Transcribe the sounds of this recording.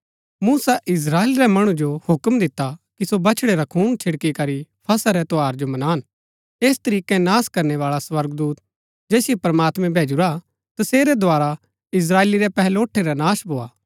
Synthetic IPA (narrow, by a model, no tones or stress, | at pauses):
muːsaʔɪs̬ɾaːeːlɾɛmɐɽ̃ud͡ʒohʊkmd̪ɪt̪ːakisobɐt͡ʃʰɽeɾakʰuːnt͡ʃʰɪɽkikɐɾipʰɐsaɾɛt̪oaːɾd͡ʒomɐnaːn | eːst̪ɐɾiːkɛ̃naːskɐɾneʋaːɭaswɐɾɡd̪uːt̪ | d͡ʒɛːsijepɐɾmaːt̪mɛ̃bʱeːd͡ʒʊɾa | t̪ɐseːɾɛd̪ʱoaːɾa | ɪs̬ɾaːeːliɾɛpɛɦɛloːʈʰeɾanaːsbʱoːa̰ː